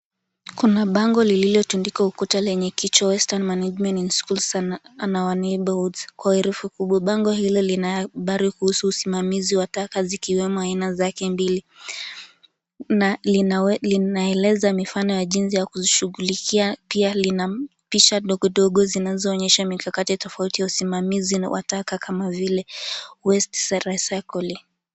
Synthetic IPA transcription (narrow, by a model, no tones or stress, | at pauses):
kunaɓaŋɡɔlililɔtundikaukɔtalɛɲɛkit͡ʃwawɛstanmanad͡ʒmɛninskulsananawaniɓɔldzkwauiɾufukuɓwaɓaŋɡɔhilɔlinaɓaɾikuhusuusimamiziwatakazikiwɛmɔainazakɛmbili | nalilinaɛlɛzamifanɔjaʄinsijakuʃuɣulikiapialinapiʃaɗɔɡɔɗɔɠɔzinazɔːɲɛʃamikakatitɔfautijausimamiziwʔa̰takakʰamavilɛwɛstsɾasakɔli